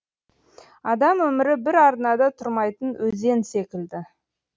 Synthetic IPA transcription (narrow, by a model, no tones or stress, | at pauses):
ɑd̪ɑmwɵmɪɾɪbɪɾɑɾnɑd̪ɑt̪ʰʊɾmɑjt̪ənwɵze̞nse̞kʲɪld̪ɪ